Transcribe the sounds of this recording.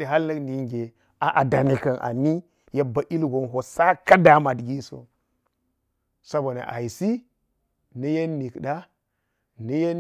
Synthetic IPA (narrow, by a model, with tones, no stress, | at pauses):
di˨ɦa˦lnɐ˦kni˨ŋɡe˨ | a˨ʔa˨da˨ni˨kɐ˨nʔa̰˨ni˦ | ja˦ba˨ʔi˦lɡo˨nɦo˨sa˦ka˦da˨ma˨dɡi˦so̰˨ | sa˦bo˨na̰˨ʔa̰˨i˨si˦ | nə˦je˦nːi˨kɗa˦ | nə˦je˦